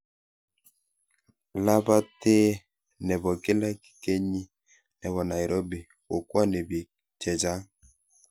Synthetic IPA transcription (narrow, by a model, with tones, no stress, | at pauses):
la˦ba˦te˦ | nɛ˨bɔ˨ke˦la˦ki̥˨ke˦ɲi˦ | nɛ˨βɔ˨na˨i˨ɾʔo˦bi˨ | o˨kwa˦ne˨bi˨ | t͡ʃɛ˨d͡ʒa˦ŋ